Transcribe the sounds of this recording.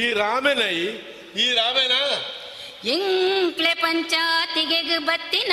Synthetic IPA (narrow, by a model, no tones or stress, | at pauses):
iːɾaːmenɐj | iːɾaːmena | eŋklepɐɲt͡ʃat̪iɡeɡɯbɐt̪ːin